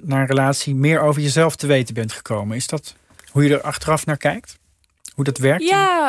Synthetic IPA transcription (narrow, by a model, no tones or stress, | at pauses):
naːɹənrəlaːtsimɪːɹowvəɹjəzɛlˠftəʋejtənbɛntχə̥kowmənɪzdɑt | ɦujədəɹʔɑχtərɑfnaːɹkɛjk̚t | ɦudɑtʋɛɹka